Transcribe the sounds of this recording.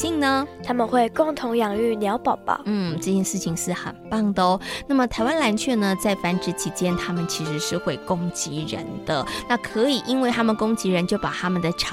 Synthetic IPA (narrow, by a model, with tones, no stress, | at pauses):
i˥˩ŋnə˩t̪ʰa˥mə˨nxwe˥˧ɪkʊ˥˩ŋt̪ʰʊ˧˥ŋjɑ˨˩ŋy˥˩njɑ˧˥ʊpɑ˨˩ʊb̥a̰˩n̩˥˩ʈ͡ʂɤ˥˧t͡ɕjɛ˥˧nʂɻ̩˥˩t͡ɕʰi˨˩ŋʂɻ̩˥˩xə̰˨˩npɑ˥˩ŋd̪ə˩na˥˩mə˨˩t̪ʰa˨˧˥ɪwa˥nla˧˥nt͡ɕʰɥɛ˥˩nə˨t͡sa˥˩ɪfa˧˥nʈ͡ʂɻ̩˥t͡ɕʰi˧˥t͡ɕjɛ˥nt̪ʰa˥mə˨nt͡ɕʰi˧˥ʂɻ̩˧˥ʂɻ̩˥˧xwe˥˩ɪkʊ˥ŋt͡ɕi˧˥ɻə̰˧˥nd̪ə˨na˥˩kʰɤ˧˥i˨˩ʔi˦˥nwe˥˩ɪt̪ʰa˥mə˨nkʊ˥ŋt͡ɕi˧˥ɻə˧˦nt͡ɕjo˥˩ʊpa˨˩t̪ʰa˥mə˨nd̪ə˩ʈ͡ʂʰ